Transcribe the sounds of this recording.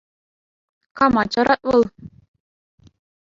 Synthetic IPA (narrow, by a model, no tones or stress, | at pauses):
kɑmɑt͡ɕɑɾɑt̪̚ʋɤ̆lˠ